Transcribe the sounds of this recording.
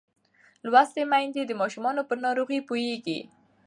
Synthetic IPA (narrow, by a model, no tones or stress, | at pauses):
lwast̪emajnd̪ed̪əmɑʃumɑnopəɾnɑɾoɣipojeɡḭ